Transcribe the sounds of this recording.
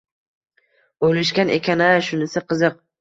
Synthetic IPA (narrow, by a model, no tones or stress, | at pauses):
olɪʃkʲanʔekʲanaʃʊnɪsɪqʰɨzɨq̚